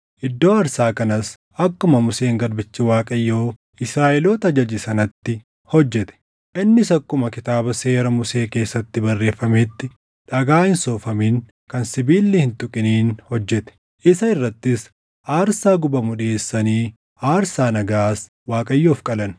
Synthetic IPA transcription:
ʔɪd̪ːo̞ːɐɾsaːkɐnɐs | ɐkːʊmɐmʊseːŋɡɐɾbɪt͡ʃːɪwaːkʼɐjːoː | ɪsɾaːʔɪlo̞ːt̪ɐd͡ʒɐd͡ʒɪsɐnɐt̪ːɪ | hɔd͡ʒːɛt̪ɛ̥ | ʔɪnːɪsɐkːʊmɐkɪt̪aːbɐseːɾɐmʊse̞ːke̞ːsːɐt̪ːɪbɐrːe̞ːfːɐmeːt̪ːɪ | ᶑɐɡaːhɪnsoːfɐmiːn | kɐnsɪbiːlːɪhɪnt̪ʊkʼɪniːnhɔd͡ʒːɛt̪ɛ̥ | ʔɪsɐɪrːɐt̪ːɪs | ʔaːɾsaːɡʊbɐmʊᶑɪeːsːɐniː | aːɾsaːnɐɡaːs | waːkʼɐjːoːfkʼɐlɐn

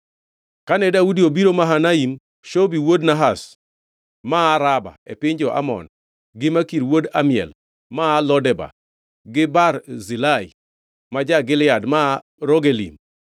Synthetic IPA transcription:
kanɛdaudiobiɾomaɦanaim | ʃobiwodnaɦas | maːɾaba̰epɪɲd͡ʒɔʔa̰mɔ̰n | ɡɪmakiɾwodamɪjɛ̰l | maːlɔdɛba̰ | ɡɪbarzilai | mad͡ʒaɡɪlɪadma | ɾoɡelḭm

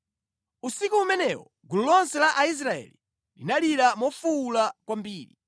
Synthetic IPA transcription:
usikuumɛnɛwɔ | ɡululɔnsɛlaʔais̬ɾaɛ̰li | linaliɾamɔfuːlakwambiːɾi

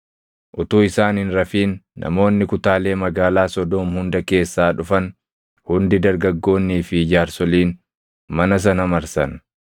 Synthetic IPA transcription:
ʔʊt̪uːɪsaːnhɪnɾɐfiːnːʔɐ̰mo̞ːnːɪkʊt̪aːle̞ːmɐɡaːlaːsɔd̪oːmhʊnd̪ɐke̞ːsːaːᶑʊfɐn | hʊnd̪ɪd̪ɐɾɡɐɡːo̞ːnːiːfɪd͡ʒaːɾsɔliːn | mɐnɐs̬ɐnɐmɐɾsɐn

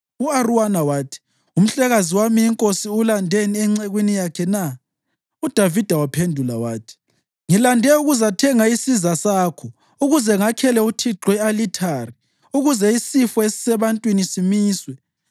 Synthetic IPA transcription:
uaruwanawaːtʰi̥ | um̩ɬɛɣaziwamiːŋkʼosiulandʱeniɛŋ͡ǀeɣwinijakʰɛna | ud̥ʱavid̥ʱawapʰendʱulawaːtʰi̥ | ŋilandʱɛuɣuzatʰɛŋaisizasaːkʰɔ | uɣuzɛŋakʰɛlɛutʰiǁwɛalitʰari | uɣuzɛisifɔesi̥sɛβantʼwinisimiːswɛ

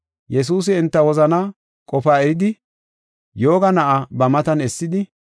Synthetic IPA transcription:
jɛs̬uːs̬ɪɪnt̪ːɐwɔzɐna | kʼɔfaːɛɾɪd̪ɪ | jo̞ːɡɐnɐʔɐbɐmɐt̪ɐnɛsːɪd̪ɪ

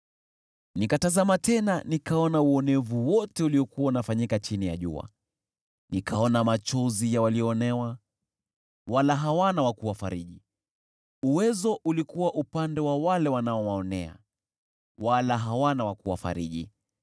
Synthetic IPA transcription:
nikatazamatɛnanikaɔnauɔnɛvuwɔtɛuliɔkuwaunafaɲikat͡ʃinija̰ʄṵa̰ | nikʰaɔnamat͡ʃɔzijawaliɔːnɛwa | walaɦawanawakuwafa̰ɾiɗi | uwɛzɔʔulikuwaʔupandɛwawalɛwanaɔwaɔnɛa̰ | walaɦawanawakuwa̰fa̰ɾḭɗḭ

